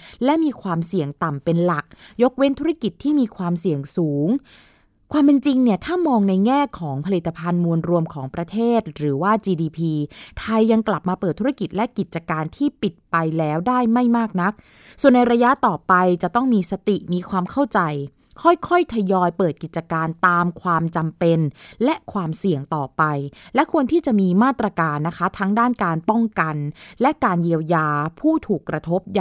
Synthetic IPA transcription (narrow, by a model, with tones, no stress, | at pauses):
lɛ˦˥miː˧kʰwaː˧msi˨˩əŋt̪a˨˩mpe˧nla˨˩k̚jo˦˥k̚we˦˥nt̪ʰu˦˥ɾa˥˩ki˨˩t̪ʰːiː˥˩miː˧kʰwaː˧msi˨˩əŋsuː˩˦ŋ | kʰwaː˧mpe˧nt͡ɕi˧ŋni˥˩ət̪ʰaː˥˩mɔː˧ŋna˧jŋɛː˥˩kʰɔː˩˦ŋpʰa˧li˨˩t̪ʰːa˧pʰa˧nmu˧ənɾu˧əmkʰɔː˩˦ŋpɾa˧t̪ʰeː˥˩t̪̚ɾɯː˩˦waː˥˩t͡ɕiː˧diː˧pʰiː˧t̪ʰa˧jːa˧ŋkla˨˩p̚maː˧pɤː˨˩t̪ʰːu˦˥ɾa˥ki˨˩t̪̚lɛ˦˥ʔki˨˩t̪̚t͡ɕa˧kaː˧nt̪ʰiː˥˩pi˨˩t̪̚pa˧jlɛː˦˥wdaː˥˩jma˥˩jmaː˥˩k̚na˦˥k̚ | su˨˩ənːa˧jɾa˧ja˦˥ʔt̪ɔː˨˩pa˧jt͡ɕa˨˩ʔt̪ɔ˥˩ŋmiː˧sa˧t̪i˨˩miː˧kʰwaː˧mkʰa˥˩wt͡ɕa˧j | kʰɔ˥˩jkʰɔ˥˩jt̪ʰa˧jɔː˧jpɤː˨˩t̪̚ki˨˩t̪̚t͡ɕa˧kaː˧nt̪aː˧mkʰwaː˧mt͡ɕa˧mpe˧nlɛ˦˥ʔkʰwaː˧msi˨˩əŋt̪ɔː˨˩pa˧jlɛ˦˥kʰu˧ənt̪ʰiː˥˩t͡ɕa˨˩ʔmiː˧maː˥˩t̪ːɾa˧kaː˧nːa˦˥kʰa˦˥t̪ʰa˦˥ŋdaː˥˩nkaː˧npɔ˥˩ŋka˧nlɛ˦˥kaː˧nji˧əwjaː˧pʰuː˥˩t̪ʰuː˨˩kːɾa˧t̪ʰo˦˥p̚ja˨